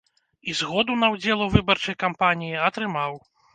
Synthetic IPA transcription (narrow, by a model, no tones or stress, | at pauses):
izɣɔd̪unɐwd͡zʲɛlˠɐwvɨbɐrt͡ʂɐjkampanʲijiɐt̪ɾɨmaw